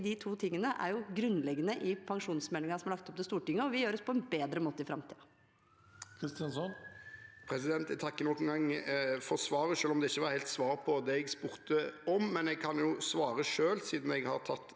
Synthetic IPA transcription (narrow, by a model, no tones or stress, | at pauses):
d̪ɪt̪ʰuːt̪ʰɪŋːənəʔæ̰ɾjʊɡɾʉnːlɛɡːənəʔɪpʰɑŋʂuːnsmɛlɪŋɑsɔmɑɾɭɑk̚t̪ɔp̚d̪ɛst̪uːʈɪŋːəɔʋɪjøːɾɔspʰɔɛnbeːd̪ɾəmoːt̪əɪfɾɑmt̪ḭːɑ | kʰɾɪst̪ɪɑnsɔnpʰɾɛsɪd̪ɛnt̪ɛt̪ʰɑkːənɔkːən̩ɡɑŋːfɔʁsʋɑːɾəʂøːlɔmd̪ɛɪçːəʋɑɾhɛɪlt̪sʋɑːʁpʰɔd̪ɛɛɡspʉːʁt̪əɔmːɛnɛɡ̚kʰɑnjʊsʋɑːɾəʂøːlsiːd̪n̩ɛɡhɑʁt̪ʰɑt̪ː